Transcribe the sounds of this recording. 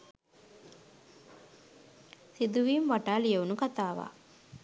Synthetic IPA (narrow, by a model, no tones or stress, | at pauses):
sid̪uʋiːmʋaʈaːlijeunukat̪aːʋa̰ː